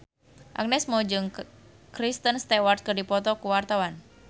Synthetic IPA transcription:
ʔa̰k̚nɛsmɔd͡ʒɨŋ | kɾist̪ənst̪ɛwart̪̚kɨrdipɔt̪ɔkuwart̪awan

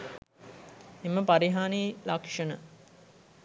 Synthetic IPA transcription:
eməpaɾiɦaːniːlakʂənə

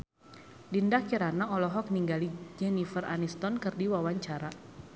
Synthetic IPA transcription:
dindakiɾanaɔlɔɦɔk̚niŋɡalid͡ʒɛnifəra̰nist̪ɔnkɨrdiwawaɲt͡ʃaɾa

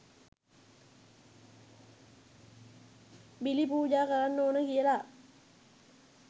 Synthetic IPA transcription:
bilipuːd͡ʒaːkaɾanːoːnəkijəla

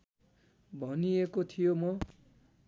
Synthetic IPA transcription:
bʱʌniekot̪ʰijomʌ

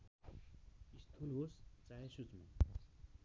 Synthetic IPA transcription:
ist̪ʰulɦost͡saɦesut͡sma

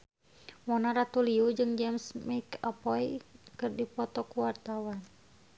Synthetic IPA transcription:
mɔnaɾat̪uliud͡ʒɨŋd͡ʒɛmsmikapɔikɨrdipɔt̪ɔkuwart̪awan

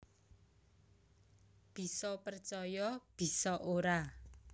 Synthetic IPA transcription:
b̥i̤sɔpərt͡ʃɔjɔb̥i̤sɔʔoɾa

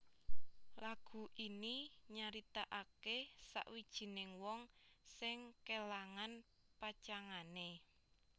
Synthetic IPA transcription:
laɡ̥ṳʔiniɲaɾit̪aʔakesa̰ʔwid̥ʒ̥i̤nɪŋwɔŋsɪŋkelaŋan | pat͡ʃaŋane

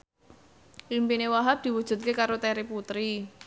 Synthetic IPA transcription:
limpinewaɦap̚d̪̥i̤wud̥ʒ̥ṳt̪̚kekaɾot̪ɛɾiput̪ɾi

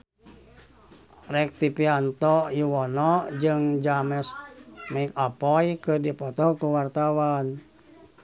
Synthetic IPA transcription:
rɛk̚t̪ipiant̪ɔjuwɔnɔd͡ʒɨŋd͡ʒamɛsmaikapɔjkɨrdipɔt̪ɔkuwart̪awan

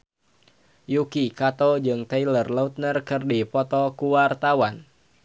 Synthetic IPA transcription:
jukikat̪ɔd͡ʒɨŋt̪ailərlaut̪̚nərkɨrdipɔt̪ɔkuwart̪awan

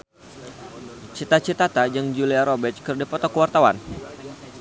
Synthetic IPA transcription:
t͡ʃit̪at͡ʃit̪at̪ad͡ʒaŋd͡ʒuliaɾobɛt͡ʃkərdapɔt̪ɔkəwart̪awan

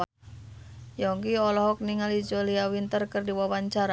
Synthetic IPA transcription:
a | jɔŋkiɔlɔɦɔk̚niŋalid͡ʒoliawint̪ərkərdiwawaɲt͡ʃaɾa

